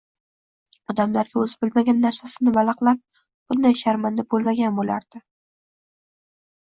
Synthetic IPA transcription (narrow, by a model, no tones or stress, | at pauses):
ɒd̪amlaɾɡʲaɵzɪbɪlmaɡʲanːaɾsasɪnɪbalɑqlˠap̚ | b̥ʊnd̪ajʃaɾmand̪abolmaɡʲanbola̰ɾd̪̥ɪ